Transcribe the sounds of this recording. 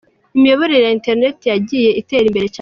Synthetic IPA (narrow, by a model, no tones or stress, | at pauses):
imijo̞βo̞ɾeejainte̞ɾine̞tijaɟiːje̞ʔite̞ɾimbe̞ɾe̞c